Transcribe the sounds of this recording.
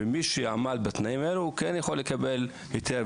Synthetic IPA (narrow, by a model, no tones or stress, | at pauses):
emiʃejamad̪̚bat̪naimaeluukenjaχo̞lːekabel | jot̪ʰe